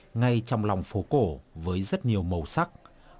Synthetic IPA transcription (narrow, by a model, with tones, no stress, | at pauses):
ŋa˧jt͡ɕɔ˧wŋ͡mla˨˩wŋ͡mfo˨˦ko˧˩vəː˨˦jzə˦˥t̚ɲi˨˩əwmə˨˩wsa˦˥k̚